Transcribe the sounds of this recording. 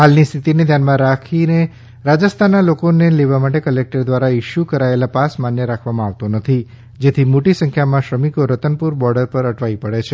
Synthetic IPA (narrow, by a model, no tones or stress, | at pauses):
ɦalnist̪ʰit̪ined̪ʱjanmãɾakʰine | ɾad͡ʒəst̪ʰanːalokoneleʋamaʈekəlek̚ʈəɾd̪ʋaɾaɪʃjukəɾaelapasmanjəɾakʰʋamãaʋt̪onət̪ʰi | d͡ʒet̪ʰimoʈisə̃ŋkʰjamãʃɾəmikoɾət̪ənpuɾbɔɾɖəɾpəɾəʈʰʋaipəɭet͡ʃʰe